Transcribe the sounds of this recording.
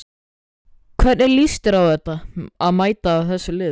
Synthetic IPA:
kʰvɛɾnɛɾlist̪ɪɾawθɛt̪ːaaðmaːjt̪aːwθɛsːʏlɪː

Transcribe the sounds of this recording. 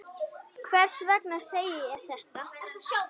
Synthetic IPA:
kʰvɛr̥svɛknḁseːjɪɛɾ̥θɛht̪a

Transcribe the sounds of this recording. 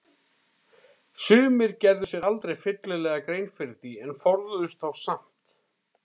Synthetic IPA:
sʏːmɪɾcɛɾðʏsjɛɾalt̪ɾejfɪt̪lɪlɛːɣakɾejnfɪɾɪθiɛnfɔɾðʏðʏst̪θawsam̥t̪

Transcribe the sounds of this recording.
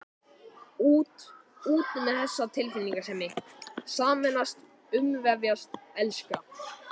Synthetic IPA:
uːt̪uːt̪ʏnɪθɛsːat̪ʰɪlfɪnːiŋkasɛmːɪhsaːmɛnast̪ | ʏmvɛvjast̪ɛlska

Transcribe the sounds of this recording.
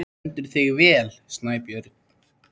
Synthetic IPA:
ɛnt̪ʏɾ̥θɪɣvɛːlst̪naːjpjœɾt̪̚

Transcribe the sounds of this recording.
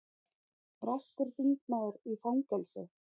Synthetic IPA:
raskʏɾ̥θiŋknaːðʏɾifawŋkɛlsʏ̰

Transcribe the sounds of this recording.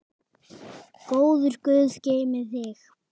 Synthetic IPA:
koːwðʏɾ̥kʏːðceːjmɪðθɪx

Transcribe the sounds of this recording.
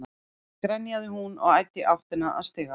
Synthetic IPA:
a | kɾɛnːjaðɪhunɔ̰ɣaːjt̪ɪʔawft̪ɪnaʔa̰st̪eːɣa

